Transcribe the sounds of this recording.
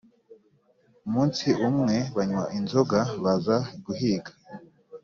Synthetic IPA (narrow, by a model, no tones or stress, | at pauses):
umuːnsiʔumŋe̞βaɲwaʔinzoɡaβazaɡuɦiːɡḁ